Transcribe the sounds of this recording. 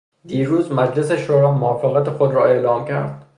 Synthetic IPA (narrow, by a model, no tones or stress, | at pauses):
d̪iːɾuːzmæd͡ʒle̞seʃoːɾɒːmoɒːfeɣæt̪ʰexod̪ɾɒːe̞ʔlɒːmcʰæ̰ɾd̪̥